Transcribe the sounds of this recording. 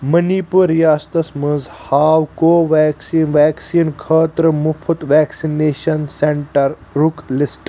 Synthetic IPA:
mɐnipuɾjaːst̪ɐsmə̃nzhaːwkoːʋɛːksinʋɛːksiːnkʰəːt̪ɾəmupʰɐt̪ʋɛːksineːʃɐnseɳʈɐɾ | ɾuklɪsʈ

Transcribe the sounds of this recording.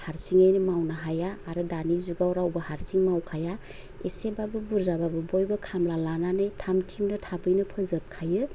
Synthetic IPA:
haɾsiŋajnimawnaɦajaːɾɯdanizuɡawɾawbɐhaɾsiŋmawkʰaja | esebabɯbuɾzababɯbojbɐkʰamlalananɯjtʰamtʰimnɯtʰabɯjnɯpʰɯzɯp̚kʰajɯ

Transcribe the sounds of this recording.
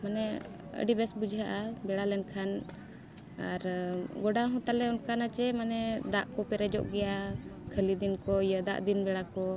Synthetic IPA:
manɛə̰ɖibɛsbud͡ʒʱaʔabɛɽalɛnkʰan | aɾɡɔɖaɦɔ̃t̪alɛɔnkanat͡ʃɛmanɛd̪aʔkɔpɛɾɛd͡ʒɔ̰ʔɡɛjakʰəlid̪inkɔijəd̪a̰ʔd̪inbɛɽakɔ

